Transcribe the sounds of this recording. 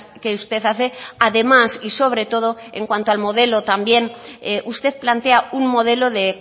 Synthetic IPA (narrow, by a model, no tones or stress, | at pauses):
keust̪e̞θaθeaðe̞masiso̞β̞ɾe̞t̪o̞ð̞oeŋkwant̪oalmo̞ðe̞lot̪ambje̞neʔust̪e̞θplant̪eauŋmoð̞e̞lo̞ðe